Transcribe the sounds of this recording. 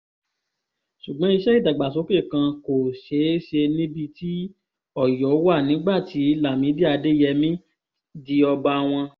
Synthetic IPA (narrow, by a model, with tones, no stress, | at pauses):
ʃu˨ɡ͡bɔ̃˦i˧ʃɛ˦i˦˨da˨ɡ͡ba˨so˨˦ke˦˨kã˧ko˨ʃe˨˦ʃe˧nĩ˦bi˧ti˦ | ɔ˦˨jɔ˨˦wa˦˨nĩ˨˦ɡ͡ba˦˨ti˨˦la˦˨mĩ˨˦bi˦a˧de˦jɛ˧mĩ˦ | di˧ɔ˧ba˧w̃ɔ̃˧